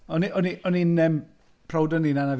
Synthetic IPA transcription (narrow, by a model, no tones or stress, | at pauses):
ɔniʔɔniʔɔninɛm | pʰrɔwdɔninanav